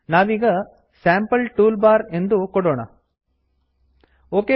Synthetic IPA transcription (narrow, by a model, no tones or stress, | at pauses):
naːʋiːɡɐ | saːmpɐlʈuːlbaːɾe̞nd̪ukɔɽoːɳɐ̰ | oːke